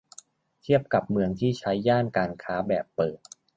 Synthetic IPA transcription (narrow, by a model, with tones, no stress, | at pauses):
t̪ʰi˥˩əp̚ka˨˩p̚mɯ˧əŋt̪ʰiː˥˩t͡ɕʰa˦˥jːaː˥˩nkaː˧nkʰaː˦˥bɛː˨˩pːɤː˨˩t̪̚